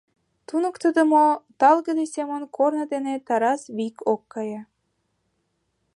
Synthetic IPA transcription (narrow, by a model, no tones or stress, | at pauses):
t̪unə̆kt̪əd̪ə̆mot̪ɑlɣə̆d̪esemənkʰornɤ̆d̪enet̪ɑɾɑsβikʰokːɑjɑ